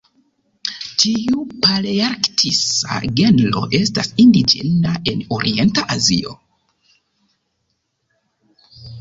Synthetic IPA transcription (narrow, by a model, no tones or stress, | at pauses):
tiupaleaɾktʰisa̰ɡe̞nlo̞̰ʔe̞stasindid͡ʒḛnaʔe̞noɾie̞ntaʔazio̞